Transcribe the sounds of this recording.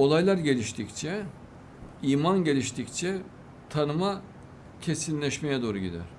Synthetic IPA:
o̞lˠajlˠaɾɟe̞lʲiʃt̪ʰict͡ʃʰɛ | iːmanɟe̞lʲiʃt̪ʰict͡ʃʰɛ | t̪ʰanɯma | cʰe̞sinlʲɛʃmejɛd̪o̞ːɾuɟid̪æ̰ɾ̥

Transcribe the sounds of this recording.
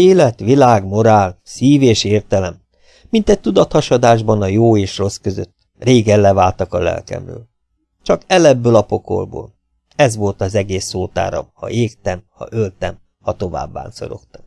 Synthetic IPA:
eːlɛt̪ʋilaːɡmo̞ɾaːlsiːveːʃeːrt̪ɛlɛm | mint̪ɛc̚t̪ud̪ɒt̪hɒʃɒd̪aːʒbɒnɒjoːeːʃro̞skøzø̰t̪ː | reːɡɛlːɛvaːlt̪ɒkɒlɛ̰lkɛ̰mrø̰ːl | t͡ʃɒkɛlɛbːølɒpo̞ko̰lbo̰ːl | ɛzʋo̞lt̪ɒzɛɡeːsːoːt̪a̰ːɾɒ̰hɒ̰ʔeːkt̪ɛmhɒ̰ʔølt̪ɛm | hɒt̪o̞va̰ːbːa̰ːnso̞̰ɾo̞̰kt̪ɒm

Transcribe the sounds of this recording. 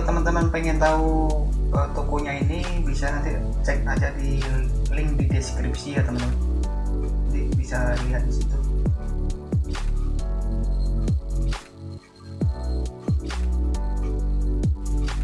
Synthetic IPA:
t̪əmənt̪əmənpɛŋɛnt̪auət̪okɔɲainibisanant̪i | t͡ʃɛk̚nad͡ʒadilɪŋk̚didɛskɾip̚sijat̪əmənt̪əmn | t̪ibisaliɦat̪̚disit̪u

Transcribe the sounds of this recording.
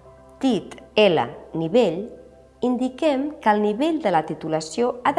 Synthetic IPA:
t̪it̪elə̰niβeʎ | ind̪ikɛmkəlˠniβeʎd̪ələt̪it̪uləsioað

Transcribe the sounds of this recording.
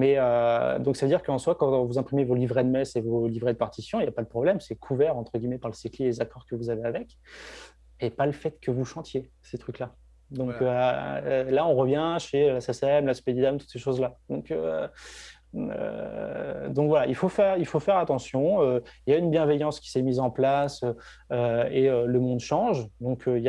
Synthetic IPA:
mɛød̪ɔ̃ksavəd̪iʁkəɑ̃swakɑ̃vuzɛ̃pχimevolivʁɛd̪mɛsevolivʁɛd̪əpaʁt̪isjɔ̃iljapad̪əpχɔblɛmsɛkʰuvɛʁɑ̃t̪χəɡʲimɛpaʁləsiklilezakɔʁkəvuzaveavɛk | epaləfɛt̪kʰəvuʃɑ̃t̪je | set̪χykla | d̪ɔ̃kø | laɔ̃ʁəvjɛ̃ʃelasɛsɛmlaspɛd̪id̪amt̪u̥t̪seʃozlad̪ɔ̃kø | ø̰ | d̪ɔ̃kvwalailfofɛʁilfofɛʁat̪ɑ̃sjɔ̃øiljaynbjɛ̃vɛjɑ̃skʲi̥sɛmizɑ̃plasø | øeøləmɔ̃d̪ʃɑ̃ʒd̪ɔ̃kʰøija

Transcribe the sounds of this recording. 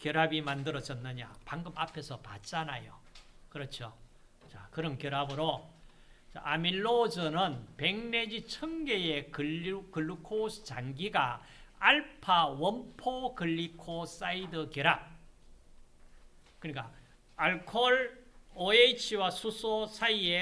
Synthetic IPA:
kjʌɾabimandɯɾʌd͡ʑʌnːɯɲa̰paŋɡɯbapʰe̞sʰʌpa̰t̚t͡ɕ͈anajo̰kɯɾʌt͡ɕʰo | t͡ɕakɯɾʌnkjʌɾabɯɾo | t͡ɕa̰ʔamiɭːod͡ʑɯnɯnpe̞ŋned͡ʑit͡ɕʰʌŋɡe̞jekɯkɯɭːkʰosʰt͡ɕaŋɡiɡa | aɭpʰawʌmpʰokɯʎːikʰos͈aidɯkjʌɾap̚ | kɯɲik͈a | aɭkʰoɭoeit͡ɕʰiwasʰusʰosʰaie̞

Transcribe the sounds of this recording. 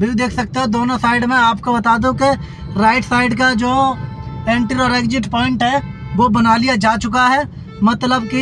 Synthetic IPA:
bʱid̪eːkʰsɐk̚t̪aɦɛ̃d̪oːnosaːɪɖmẽaːpkobɐt̪aːd̪ũke | ɾaːɪʈsaːɪɖkad͡ʒoː | ẽːɳʈiɾɔːɾeːɡd͡ʒɪʈpɔːɪ̃ɳʈɦɛʋobɐnaːlijad͡ʒaːt͡ʃʊkaɦɛː | mɐt̪ləbki

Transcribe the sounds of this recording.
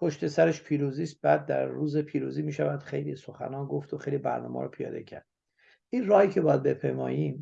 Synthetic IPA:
pʰoʃt̪e̞sæɾeʃpʰiːɾuːziːst̪̚bæːd̪ːæɾːuːzepʰiːɾuːziːmiːʃævæd̪̥xe̞jliso̞xæ̰nɒːnɡoft̪oxejlibæ̰ɾnɒ̰ːmɒ̰ːɾɔpʰijɒ̰ːd̪ḛcʰæ̰ɾd̪̥̚ | ʔiːnrɒːhicʰebɒːjæd̪̚bepʰemɒ̰ːjiːm

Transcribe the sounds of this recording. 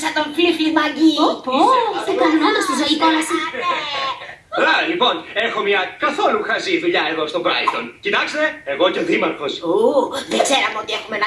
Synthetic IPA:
sɐt̪oɱfilfimɐɲɟipoekɐnimonost̪izoipolɐsi | lɐlipo̞ne̞xo̞mɲɐkɐθo̞luxɐziðuʎɐe̞ðost̪o̞bɾɐ̰izd̪oncit̪ɐkse̥t̪e̞eɣo̞ce̞ðimɐɾfo̞soðeɡ̥zeɾɐmeot̪ie̞xume̞nɐ

